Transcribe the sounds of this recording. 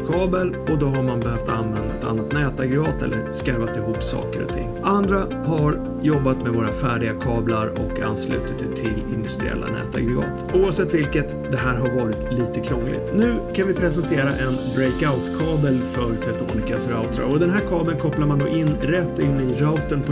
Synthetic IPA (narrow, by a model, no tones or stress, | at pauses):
kʰɑːbəl | ɔd̪ɔɦaɾmanbɛhœft̪anvɛnd̪aɛt̪a̰nːat̪nɛːt̪aɡɾɛɡɑːt̪ɛ̰lːəɾskaɾvat̪ɪɦuːpːsɑ̰ːkəɾɔ̰t̪ʰɪ̰ŋːʔand̪ɾa | haɾ | jɔbːat̪mɛvoːɾafæːɖɪɡakʰɑːblaɾɔka̰nːslʉ̟ːt̪ət̪t̪ʰːɪlɪnd̪ɵst̪ɾɪ̰ɛ̰lːa̰nɛ̰ːt̪a̰ɡɾɛɡɑ̰ːt̪uːavsɛt̪ːvɪlkət̪d̪ɛɦæːɾɦaɾvɑːɾɪt̪liːt̪əkʰɾɔŋːlɪ̰t̪nʉ̟ːkʰanvɪpʰɾɛsɛnt̪ʰeːɾaʔɛnbɾɛjkaʊt̪kʰɑːbəlfœɾt̪ʰɛt̪ṵːnɪkasɾaʊt̪ʰɾa̰ɾɔd̪ɛnɦæːɾkʰɑːbəlkʰɔplaɾmand̪o̰ːʔɪnːɾɛt̪ːɪnːɪɾaʊt̪ənpʰɔ